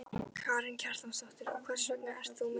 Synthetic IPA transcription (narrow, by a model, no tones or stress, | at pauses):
kʰaːɾɪncʰar̥t̪amsɔht̪ɪɾɔ̰kʰvɛr̥sœknaʔɛɾ̥t̪θumɪ